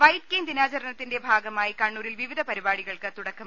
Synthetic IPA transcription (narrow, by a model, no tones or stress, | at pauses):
ʋɐjʈ̚keːnd̪inaːt͡ɕɐɾɐɳɐt̪ːinde̞bʱaːɡɐmaːjikɐɳːuːɾilʋiʋid̪ʱɐpɐɾibaːɽiɣɐɭkɨt̪uɽɐkːɐm